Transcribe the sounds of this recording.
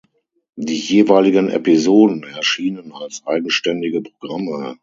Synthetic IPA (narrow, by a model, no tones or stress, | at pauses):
diːjeːvaɪlɪɡənɛ̰pizoːdn̩ɛɐʃiːnənalsʔaɪɡŋ̩ʃtɛndɪɡəpʁ̥oɡʁamə